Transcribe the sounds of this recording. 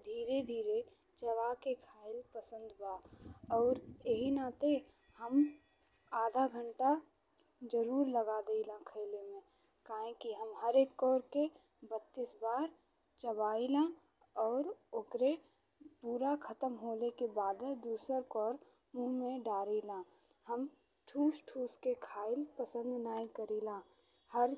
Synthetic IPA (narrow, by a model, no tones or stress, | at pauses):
d̪ʱiːɾed̪ʱiːɾe | t͡ʃəβaːkekʰaːɪlpəsə̃nd̪baːɔːɾeɦinat̪e | həm | aːd̪ʱaɡʱə̃ɳʈa | d͡ʒəɾuːɾləɡad̪eilãkʰəɪlemẽ | kaːɦẽkiɦəmɦəɾeːkːɔːɾke | bət̪ːiːsbaːɾ | t͡ʃəbaːilã | ɔːɾʊkɾe | puːɾakʰət̪əmɦoːlekebaːd̪ɛ̃d̪uːsəɾkɔːɾ | mũmẽɖaːɾiːlãː | həm | ʈʰuːsʈʰuːskekʰaːɪlpəsə̃nd̪naːĩkəɾiːlãː | həɾ